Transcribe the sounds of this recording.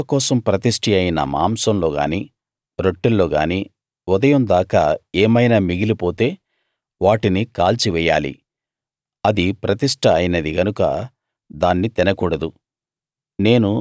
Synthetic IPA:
ɐkɔːsɐmpɾɐt̪iʂʈʰiɐjinɐ̰ma̰ːmsɐmlo̞ːɡa̰ːniː | ɾoʈːelːo̞ːɡaːni | ud̪ɐjɐmnd̪aːka̰ːɛːmɐjnaːmiɡilipo̞ːt̪e̞ː | ʋaːʈinikaːlt͡ʃiʋɛjːaːlḭ | ɐd̪ipɾɐt̪iʂʈʰɐːjinɐd̪iɡɐnukɐ̰ | d̪aːnːit̪inɐkuːɽɐd̪u | ne̞ːnu

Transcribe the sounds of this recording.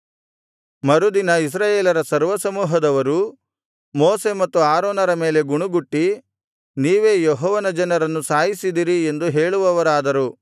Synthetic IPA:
mɐɾud̪inɐis̬ɾaːjeːlɐɾɐsɐɾʋɐsɐmuːɦɐd̪ɐʋɐɾu | moːse̞mɐt̪ːuaːɾɔːnɐɾɐme̞ːle̞ɡuɳuɡuʈːi | niːʋe̞ːjɔɦɔːʋɐnɐd͡ʒɐnɐɾɐnːusaːjisid̪iːɾiend̪uɦe̞ːɭuʋɐʋɐɾaːd̪ɐɾu

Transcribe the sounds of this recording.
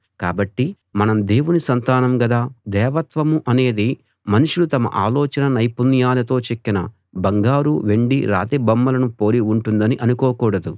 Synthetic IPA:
kaːbɐʈːi | mɐnɐmd̪e̞ːwunisɐnt̪aːnɐmɡɐd̪aːd̪ɛːʋɐt̪ʋɐmuʔɐne̞ːd̪i | mɐnuʂulut̪ɐmɐ̰ʔaːlɔːt͡ʃɐnɐnɐjpunjaːlɐt̪o̞ːt͡ʃekːinɐ̰ | bɐŋɡaːɾuʋe̞ɳɖiɾa̰ːt̪ebɐmːɐlɐnupoːɾiuɳʈund̪ɐniʔɐnukoːkuːɽɐd̪u

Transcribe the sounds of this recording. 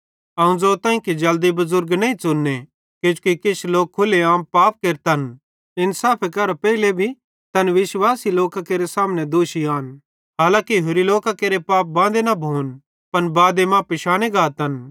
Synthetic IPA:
ɐũzoːt̪ãːĩkid͡ʒɐld̪ibɐzʊɾɡnɐĩt͡sʊnːe | ked͡ʒukikɪt͡ʃʰloːk̚ʰːʊleãːmpaːp̚keːɾt̪ɦɐn | ɪnsaːpʰekɐɾapɛːilebʱi | t̪ɐnʋɪsʋaːsiloːkakeːɾesaːmnɛd̪oːʃiaːn | ɦaːlãːkiɦʊɾiloːkakeːɾepaːp̚bãːd̪enɐbʱoːn | pɐnbaːd̪emãːpɪʃaːɽ̃eɡaːt̪ɐn

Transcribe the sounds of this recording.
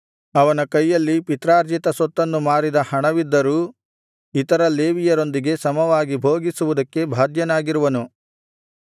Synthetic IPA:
ɐʋɐnɐkɐjːɐlːipit̪ɾaːɾd͡ʒit̪ɐsɔt̪ːɐnːumaːɾid̪ɐhɐɳɐʋid̪ːɐɾuː | it̪ɐɾɐleːʋijɐɾo̞nd̪iɡe̞sɐmɐʋaːɡibʱoːɡisuʋud̪ɐkːe̞bʱaːd̪jɐnaːɡiɾuʋɐnu

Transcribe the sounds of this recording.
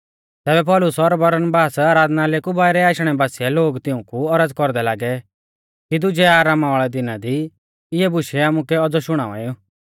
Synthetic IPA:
t̪ɛːbɛpɔːlʊsɔɾbɔɾənbaːsaːɾaːd̪nalekubaːɪɾɛaːʃɽ̃ɛbaːsiɛloːɡt̪ɪʊ̃kuɔɾəd͡zkɔɾd̪ɛlaːɡɛ | kid̪ʊd͡ʒɛaːɾaːmaʋaːɭɛd̪ɪnad̪i | ɪɛbʊʃɛaːmukɛɔd͡zɔʃʊɽ̃a̰ːa̰ːiu

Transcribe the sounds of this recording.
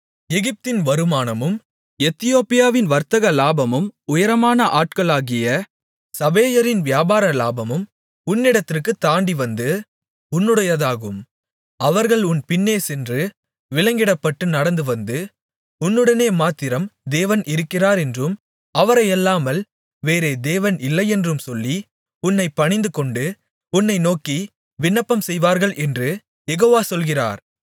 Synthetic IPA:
ɛɣɪp̚t̪ɪnʋɐɾɯmaːnɐmɯm | ɛt̪ːɪjoːpɪjaːʋɪnʋɐɾt̪ɐɣɐlaːbɐmɯmʊjɐɾɐmaːnɐʔaːʈ̚kɐɭaːɣɪjɐ | sɐbeːjɐɾɪnʋɪjaːbaːɾɐlaːbɐmɯm | ʊnːɪɽɐt̪ːɪrkɯt̪ːaːɳɖiʋɐnd̪ɯ | ʊnːɯɽɐjɐðaːɣɯm | ɐʋɐɾɣɐɭʊnpɪnːeːsɛndrɯ | ʋɪɭɐŋɡɪɽɐpːɐʈːɯnɐɽɐnd̪ɯʋɐnd̪ɯ | ʊnːɯɽɐneːmaːt̪ːɪɾɐmd̪eːʋɐnʔɪɾɯkːɪraːɾɛndrɯm | ɐʋɐɾɐɪɛlːaːmɐl | ʋeːɾeːd̪eːʋɐnɪlːɐɪɛndrɯmsɔlːi | ʊnːɐɪpːɐɳɪnd̪ɯkɔɳɖɯ | ʊnːɐɪnoːki | ʋɪnːɐpːɐmsɛjʋaːɾɣɐɭʔɛndrɯ | jɛɣoːʋaːsɔlɣɪra̰ːɾ

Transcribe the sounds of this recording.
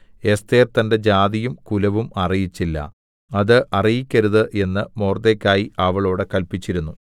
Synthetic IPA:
e̞st̪eːrt̪ɐnde̞d͡ʑaːðijumkulɐʋumɐrijit͡ɕːilːɐ̰ | ɐðɨʔɐrijikʲːɐɾuðɨʔe̞nːɨmoːrd̪ekʲːaːjiʔɐʋɐɭo̞ːɽekɐlpit͡ɕːiɾunːu

